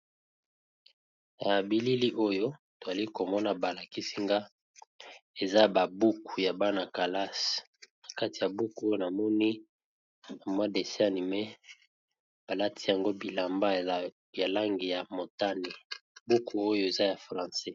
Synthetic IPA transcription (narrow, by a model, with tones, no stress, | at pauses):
ja˨bi˨li˦li˦ʔo˦jo˦to˨za˨li˦ko˨mɔ˦na˨ba˨la˨ki˦si˦ŋɡa˦ | e˨za˦ba˨bu˦ku˨ja˨ba˦na˨ka˨la˦s | na˨ka˦ti˨ja˨bu˦ku˨o˦jo˦na˨mɔ˦ni˦ | na˨mwa˦de˨sa˦ni˨mɛ˦ | b̥a˨la˦tʰi˦ja˨ŋɡo˦bi˨la˨mba˦ | ja˨la˦ŋɡi˨ja˨mo˨ta˦ne˨bu˦ku˨o˦jo˦e˨za˦ja˨fʁã˨sɛ˦